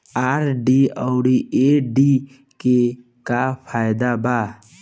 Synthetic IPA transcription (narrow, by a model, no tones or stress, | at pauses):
aːɾɖiːəʊɽieɖi | ke | kapʰaːjɪd̪abaː